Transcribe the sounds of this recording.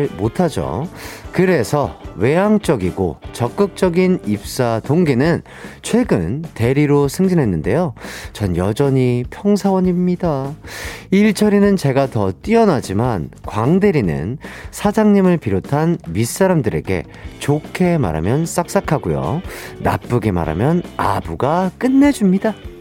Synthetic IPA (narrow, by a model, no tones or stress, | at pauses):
motʰad͡ʑo̰kɯɾe̞sʰʌwe̞ɦaŋt͡ɕ͈ʌɡiɡo̰t͡ɕʌk͈ɯk̚t͡ɕ͈ʌɡinip̚s͈atoŋɡinɯn | t͡ɕʰwe̞ɡɯnte̞ɾiɾosʰɯŋd͡ʑinɦe̞nːɯnde̞jot͡ɕʌnjʌd͡ʑʌɲipʰjʌŋsʰawʌɲimɲida | iɭt͡ɕʰʌɾinɯnt͡ɕe̞ɡatʌt͈iʌnad͡ʑimankwaŋdeɾinɯ̰nsʰad͡ʑaŋɲimɯɭpiɾotʰanmis͈aɾamdɯɾe̞̰ɡe̞̰ | t͡ɕokʰe̞ma̰ɾa̰mjʌns͈ak̚s͈akʰaɡujo̰ːa̰p͈ɯɡe̞ma̰ɾa̰mjʌnabuɡak͈ɯnːe̞d͡ʑumɲida